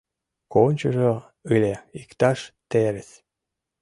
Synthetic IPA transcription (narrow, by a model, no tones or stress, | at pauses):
konʲt͡ɕoʒo | ɨlʲeikt̪ɑʃt̪eɾes